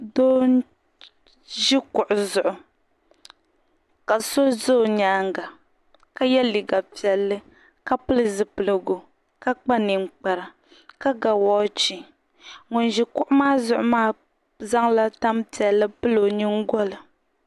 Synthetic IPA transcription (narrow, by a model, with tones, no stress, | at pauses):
doː˦ | ʒi˦kʊ˨ʔʊ˨zʊ˨ʔʊ˨ | ka˨so˦zo˦˨ɲaː˦ŋ˦ɡa˨ | ka˦jɛ˦li˨ɡa˨pi˨ɛ˨lːɨ˦ | ka˦pɨ˦lɨ˨zɨ˨pɨ˨lɨ˨ɡo˨ | ka˦k͡pa˦nɨ˨ŋ͡mk͡pa˨ɾa˨ | ka˦ɡa˨wɔː˦t͡ʃi˨ | ŋʊ˨nʒi˦kʊ˦ʔʊ˦maː˦zʊ˨ʔʊ˨˦maː˦˨ | za˦ŋla˦ta˦mpi˨ɛ˨lːɨ˦pɨ˦lo˨ni˦ŋ˦ɡɔ˦lɨ˨